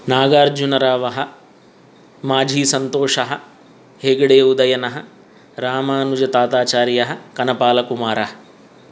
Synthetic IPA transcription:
naːɡaːɾd͡ʒunɐɾaːʋɐɦɐ | maːd͡ʒʱiːsɐnt̪oːʂɐɦɐ | heːɡɐɽeːud̪ɐjɐnɐɦɐ | ɾaːmaːnud͡ʒɐt̪aːt̪aːt͡ʃaːɾjɐɦɐkɐnɐpaːlɐkumaːɾɐɦɐ̥

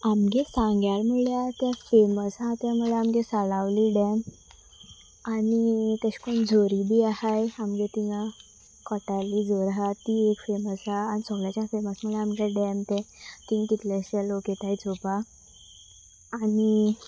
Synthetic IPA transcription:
amɡesãŋɡjalmuɭjat̪jafeməsɦat̪jaməɭɛamɡesalaʋliːɖɛm | anit̪əɕkoɳd͡zʱoɾib̪iːaɦajamɡet̪iŋa | kɔʈaliːd͡zɔɾɦat̪ːiekfeməsɦaːnisəɡɭjat͡ɕjafeməsmuɭɛamɡaɖɛmt̪ɛt̪ĩŋt̪it̪laɕaloket̪ajt͡sopa | ni

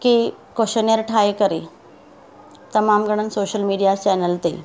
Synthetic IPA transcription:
ki | koɕənjəɾʈʰajekəɾe | t̪əmamɡəɽ̃ənsoɕəlmiɽijat͡ɕɛnəlt̪ḛ

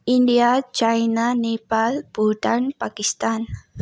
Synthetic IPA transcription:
ʔindiat͡ʃajnanepalb̥udanpakist̪an

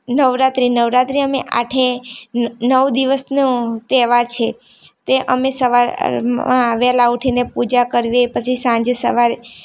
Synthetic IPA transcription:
nəʋɾat̪ɾinəʋɾat̪ɾiəmeʔa̰ʈʰe | nəʋd̪iʋəsnũt̪ɛʋaɾt͡ʃʰe | t̪eʔəmesəʋaɾɾmãʋɛlauʈʰinepud͡ʒakəɾʋepət͡ʃʰisãɲd͡ʒesə̰ʋaɾ

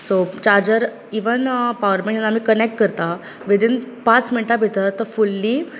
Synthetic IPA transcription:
sot͡ɕaɾd͡ʑəɾ | iʋənpaʋəɾmẽɳənam̤iːkənek̚ʈ̚kəɾt̪a | ʋid̪ʱinpãt͡sminʈabʱit̪ət̪əɾfulːiː

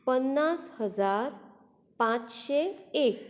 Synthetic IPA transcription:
pənːashəd͡zaɾ | pãt͡sɕeek̚

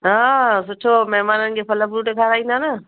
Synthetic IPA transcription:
ɦãsʊʈʰomɐɦmaːnənɪ̆kʰepʰɐləbɾuːʈekʰaːɾaːĩːn̆d̪anə

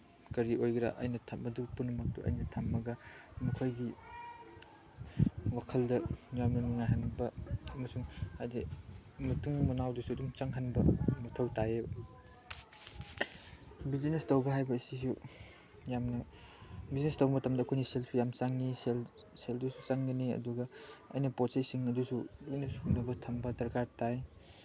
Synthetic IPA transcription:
kɐɾiojɡɾa̰ʔɐ̰jnɐtʰamɐdupunːɐmɐk̚tuʔɐ̰jnɐtʰamːɐɡɐmukʰojɡi | wakʰɐldɐjamnɐnuŋajɦanbɐɐmɐsuŋajdimutʰuŋmunawdusuduŋt͡ʃɐŋɦɐnbɐmɐtʰɐwtaje | bizinestɐwbɐɦajbɐːsis̬u | jamnɐ | biznestɐwmɐtʰɐmdɐːkʰojniselsujamt͡ʃaŋnisel | seldusut͡ʃaŋɡɐniɐ̰duɡɐɐ̰jnɐpotsejsiŋɐdusudujnɐsuŋnɐbɐtʰɐmbɐdɐɾkaɾtaj

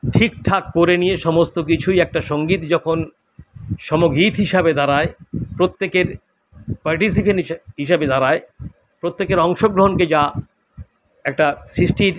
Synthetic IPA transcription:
ʈʰik̚ʈʰakːoɾenijeʃɔmost̪ok̬it͡ɕʰujɛk̚ʈaʃoŋɡit̪d͡ʑɔkʰon | ʃɔmoɡit̪ɦiʃabed̪ʱaɾaepɾot̪ːekeɾ | paɾʈis̬ipenɦiʃabed̪ʱaɾae | pɾot̪ːekeɾɔŋʃoɡɾoɦonked͡ʑa | ɛk̚ʈasɾisʈʰiɾ

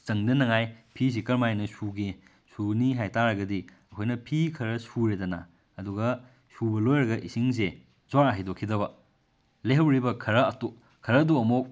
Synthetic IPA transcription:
t͡ʃɐŋdɐnɐŋajpʰis̬ikɐɾmajnɐsuɡe | suniɦajtaɾɐɡɐdi | ɐkʰojnɐpʰikʰɐɾɐsuɾedɐnɐ̰ː | duɡɐ | subɐlojɾɐɡɐʔisiŋs̬e | zwaɾɐɦajdokʰːidɐbɐ | leɦɐwɾibɐkʰɐɾɐɐto | kʰɐɾɐduɐmok̚

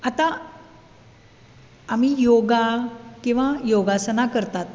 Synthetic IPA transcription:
at̪a | mijoɡakĩw̃ʋajoɡasənakəɾt̪at̪̚

